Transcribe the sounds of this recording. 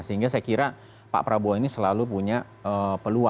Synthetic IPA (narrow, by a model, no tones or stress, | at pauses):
səiŋɡasajakiɾa | pa̰ʔpəɾabuainisəlalupuɲa | əpəlua